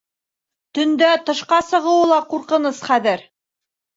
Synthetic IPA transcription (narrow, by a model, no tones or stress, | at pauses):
t̪ɵ̆nd̪æt̪ɤ̆ʃqɑsɤ̆ʁɤ̆wɤlˠɑquɾqɤ̆nɤsχæðɘɾ